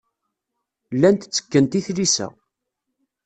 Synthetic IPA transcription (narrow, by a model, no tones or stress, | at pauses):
lːænt̪t͡sːə̥kːənt̪iθlisæ̰